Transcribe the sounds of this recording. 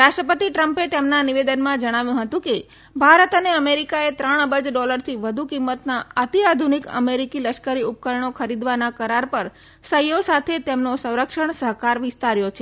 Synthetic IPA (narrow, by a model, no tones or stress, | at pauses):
ɾaʃʈɾəpət̪iʈɾəmpet̪emnaniʋed̪ənmãd͡ʒəɽ̃aʋjũɦət̪ũke | bʱaɾət̪əneəmeɾikaet̪ɾəɳ̃əbəd͡ʒɖɔləɾt̪ʰiʋəd̪ʱukimːət̪naət̪iad̪ʱunikə̰meɾikiləʃkəɾiup̚kəɾɳ̃okʰəɾid̪ʋanakəɾaɾpəɾ | səjosat̪ʰet̪emnosə̃w̃ɾəkʃəɳ̃səɦkaɾʋɪst̪aɾjot͡ʃʰe